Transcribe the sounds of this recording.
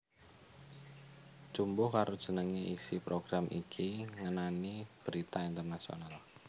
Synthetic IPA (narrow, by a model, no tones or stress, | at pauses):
t͡ʃumbʊhkaɾʔod̥ʒ̥ə̤nəŋeʔisipɾoɡ̥ɾamʔikʰiŋənanib̥əɾit̪aint̪ərnasio̰nal